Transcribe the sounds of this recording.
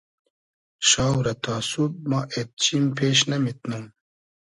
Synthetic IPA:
ɕaːwɾɐt̪ʰaːsub̚maʔet̪̚t͡ɕimpeːɕnɐmit̪num

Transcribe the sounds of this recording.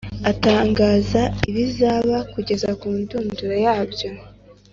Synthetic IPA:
ataːŋɡaːzaiβizaβakuɟe̞zakuːnduːnduɾe̞jaːbjo̞

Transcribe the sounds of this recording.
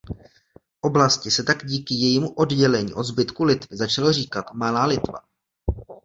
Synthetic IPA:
ʔo̞blascɪsɛt̪aɡɟiːkɪjɛjiːmuʔo̞dɟɛlɛɲḭːʔo̞d̪zbɪt̪kulɪt̪vɪzat͡ʃalariːkat̪malaːlɪt̪va̰

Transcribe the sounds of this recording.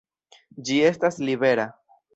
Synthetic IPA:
d͡ʒie̞stasliβe̞ɾa

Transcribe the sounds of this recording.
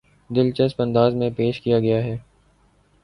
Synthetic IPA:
d̪ɪlt͡ʃəspɐ̃nd̪aːzmẽpeːʃkijaɡɐjaɦɛː

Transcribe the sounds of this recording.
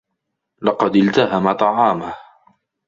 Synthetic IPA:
lɑqɑd̪ɪlt̪aɦamat̪ˤɑʕɑːmah

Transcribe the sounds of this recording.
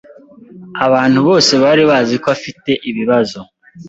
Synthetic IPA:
aβaːn̥huβo̞ːse̞βaɾiβaːzikoβafite̞ʔiβiβazo̞

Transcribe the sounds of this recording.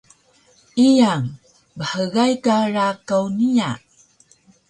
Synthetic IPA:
ijaŋ | bəħəɣajkaɾakawnija

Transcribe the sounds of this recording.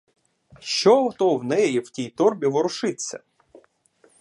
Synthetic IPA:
ʃt͡ʃɔɦɔt̪ɔwnɛjiw̥tʲijt̪ɔrbʲiʋɔɾʊʃɪt͡sʲːɐ̰

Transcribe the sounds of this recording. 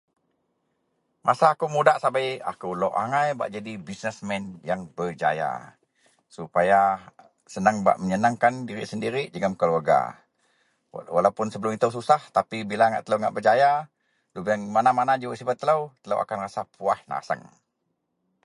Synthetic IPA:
mʔasaːkumudaʔsabaja̰kulɔʔa̰ŋajba̰ʔd͡ʒadibisnəsmɛnjaŋbərd͡ʒa̰ja̰ | supaja | sənaŋba̰ʔməɲənaŋkandiɾiʔsəndiɾiʔd͡ʒəɡamkəluarɡa̰ | walawpʊnsəbəlʊmit̪əws̬usaht̪apibilaŋa̰ʔt̪ələwŋa̰ʔbəd͡ʒaja | lubəŋmanamanad͡ʒəwaʔsibat̪ːələwt̪ələ̰wʔa̰kanrasapʰuahna̰sə̰ŋ

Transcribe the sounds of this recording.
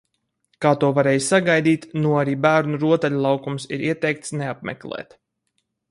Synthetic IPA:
kaːt̪uɔvaɾeːjssaɡajd̪iːt̪nuaɾiːbæːɾnuɾuɔt̪ɛʎʲulˠɑwkumsiɾiɛt̪ɛjk̚t̪sneap̚mɛ̰klˠɛ̰ːt̪

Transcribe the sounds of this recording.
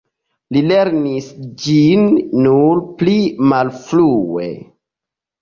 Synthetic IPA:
lileɾnisd͡ʒinːuɾplimalfluḛ

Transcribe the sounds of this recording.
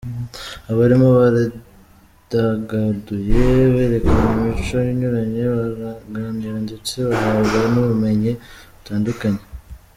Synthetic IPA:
aβaɾimo̞βaɾa | d̥aɡaduje̞βeːɾe̞kaɲimit͡ʃo̞jiɲuɾaɲe̞βaɾɡaːniɾaɲɟet͡seβaɦaβanuβume̞ɲiβutaːndukaɲe

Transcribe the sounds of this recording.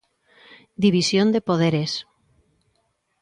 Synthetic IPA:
d̪iβisjond̪epoð̞eɾes

